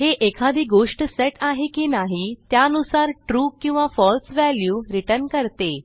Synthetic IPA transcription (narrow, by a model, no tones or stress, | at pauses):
ɦeʔekʰad̪iːɡoʂʈseʈaɦekinaɦit̪jaənusaɾʈɾuːkːĩw̃ʋafɔlsʋæljuɾiʈənkəɾt̪e